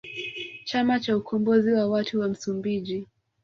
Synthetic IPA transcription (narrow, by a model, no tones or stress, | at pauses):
t͡ʃamat͡ʃaukɔmbɔziwawatuwam̩sumbiʄi